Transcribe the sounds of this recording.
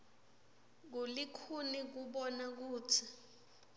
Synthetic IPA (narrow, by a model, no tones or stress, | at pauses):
k̬ulikʰunik̬uɓɔnak̬uːtʰi